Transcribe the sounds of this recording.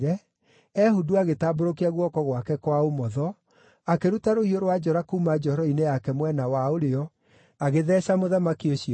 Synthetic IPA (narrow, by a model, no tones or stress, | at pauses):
ɾɛ | ɛhuduaɣetaːboɾokiaɣwɔkɔɣwakɛkwaomɔðɔ | akeɾutaɾohioɾwad͡ʒɔɾakuːmad͡ʒɔɔɾɔinejakɛmwɛnawaoɾeɔ | aɣeðɛːɕamoðamakioɕiɔ